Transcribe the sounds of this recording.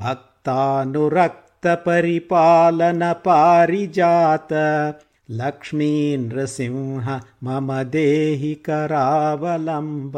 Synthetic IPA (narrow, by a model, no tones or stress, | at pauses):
bʱɐk̚t̪aːnuɾɐk̚t̪ɐpɐɾipaːlɐnɐpaːɾid͡ʒaːt̪ɐ | lɐkʂmiːnɾɐsĩʋɦɐmɐmɐd̪eːɦikɐɾaːʋɐlɐmb